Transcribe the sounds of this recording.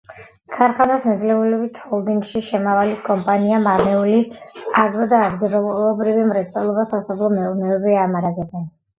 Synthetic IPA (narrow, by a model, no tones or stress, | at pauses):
kʰaɾχanasnad̪zlɛulɛbit̪ʰhɔlˠd̪iŋɡʃiʃɛmavalikʼɔmpʼaniamamɛuliaɡɾɔd̪aːd̪ɡiɾɔlqʼɔlɔbɾivimɾɛt̪sʼɛlˠɔbasasabʰlˠɔmɛunɛɔbiamaɾaɡɛbɛn